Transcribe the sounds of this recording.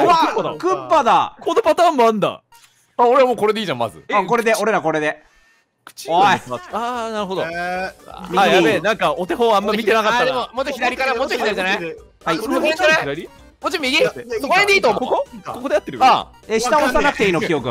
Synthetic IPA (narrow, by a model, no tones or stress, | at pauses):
aɯpd̪kɯ̃pːad̪akʰonopat̪aːmmãnd̪a̰ | aoɾeβamoːko̞ɾe̞d̪e̞iːʑãma̰zɨ̰ako̞ɾe̞d̪e̞o̞ɾe̞ɾako̞ɾe̞d̪e̞ | kɯ̥t͡ɕ | anaɾɯ̟ɦo̞d̪o̰ | miaenãŋkaot̪e̞ɦõːãmːamʲit̪enakat̪ːaemomot͡ɕːoçid̪aɾʲikanamot͡ɕːoçid̪aɾʲid͡ʒanaj | haiẽanaaɾʲi | mot͡ɕiomʲiikoɾed̪eiːt̪ookokokod̪eat̪ːeɾɯ̟a | eɕi̥t̪aoɕisanakɯ̟t̪e̞iːnokʲijo̞kɯ